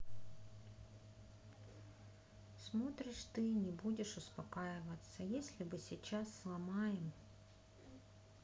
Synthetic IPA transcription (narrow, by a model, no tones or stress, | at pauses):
smɔt̪ɾɨʂt̪ɨnʲɛbudʲɛʂuspakajɪvɐt̪sːɐjesʲlʲibɨsʲit͡ʃasːlˠamajɛm